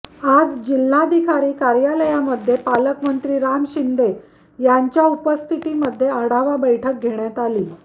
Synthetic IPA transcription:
ad͡zd͡ʑil̤ːad̪ʱikʰaɾiːkaɾjaləjaməd̪ʱːjepaləkmənt̪ɾiːɾamɕind̪e | jaɲt͡ɕjaupəst̪ʰit̪iməd̪ʱːjeaɽaʋabəjʈʰək̚ɡʱeɳjat̪aliː

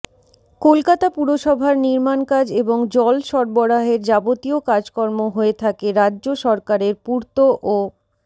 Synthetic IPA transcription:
kolkat̪apuɾoʃɔbʱaɾniɾmankad͡ʑeboŋd͡ʑɔlʃɔɾboɾaɦeɾd͡ʑabot̪iokad͡ʑkɔɾmoɦoet̪ʰakeɾadːʑoʃɔɾkaɾeɾpuɾt̪oʔo

